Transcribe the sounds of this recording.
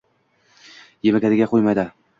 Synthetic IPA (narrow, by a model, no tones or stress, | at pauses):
jemɪɡʲaɾɪɡʲaqʰojmajd̪ɪ